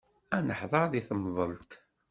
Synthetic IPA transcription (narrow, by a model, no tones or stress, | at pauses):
ænəħðˤɑɾðiθəmðˤəlt̪